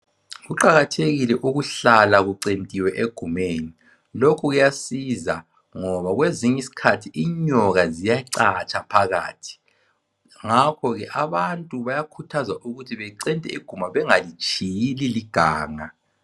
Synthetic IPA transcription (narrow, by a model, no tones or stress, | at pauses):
ɣuǃaɣatʰeɣilɛʔuɣuɬalaɣuǀentʼiwɛʔeɡ̥ʱumeːni | lokʰuɣujasiza | ŋɔβaɣweziɲɛisi̥kʰatʰiiɲɔɣazijaǀat͡ʃʼapʰaɣa̰ːtʰi̥ | ŋakʰɔɣɛʔaβantʼuβajakʰutʰazaʔuɣutʰiβɛǀɛntʼɛiɡ̥ʱumaβɛŋalit͡ʃʰʼijililiɡ̥ʱa̰ːŋa